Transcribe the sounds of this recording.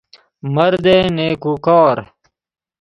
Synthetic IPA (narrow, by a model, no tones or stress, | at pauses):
mɐɾd̪eːneːkukɑːɾ